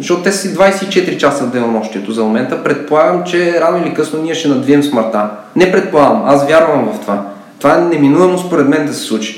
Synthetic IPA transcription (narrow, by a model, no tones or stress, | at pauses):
zɐʃɔt̪t̪ɛssid̪vajsɛit͡ʃɛt̪ɾit͡ʃasəd̪ɛnomɔʃt̪iɛt̪ozɐmomɛnt̪əpɾɛt̪̚polˠaɡəmt͡ʃɛɾanoilikɤsnoniɛʃɛnɐd̪viɛmsməɾt̪a | nɛpɾɛt̪̚polˠaɡɐmasvʲjaɾvɐmvɐft̪ova | t̪ovaɛnɛminuvɐmospoɾɛd̪mɛnd̪ɐsɛ̥slˠut͡ʃi̥